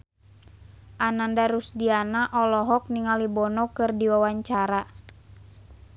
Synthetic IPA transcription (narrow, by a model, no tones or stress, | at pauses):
ʔanandaɾusdianaʔɔlɔɦɔk̚niŋalibɔnɔkɨrdiwawaɲt͡ʃaɾa